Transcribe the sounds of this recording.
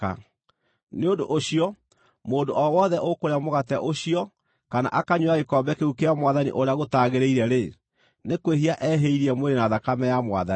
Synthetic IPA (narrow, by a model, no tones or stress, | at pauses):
a̰ | neondo̰ʔoɕijɔ | moːndoʔɔwɔðɛʔokoɾeamoɣatɛʔoɕiɔ | kana̰ʔakaɲwaekɔmbɛkeukeamwaðanḭʔoɾeaɣotaɣeɾeiɾɛɾe | nekweɦiaʔɛɦeiɾiɛmweɾenaðakamɛjamwa̰ða